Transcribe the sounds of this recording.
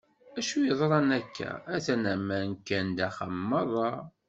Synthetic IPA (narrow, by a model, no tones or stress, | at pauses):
æʃujəðˤɾˤɑnækʰːæ̰æθænæmːænkːænd̪æχə̰mːəðˤɑ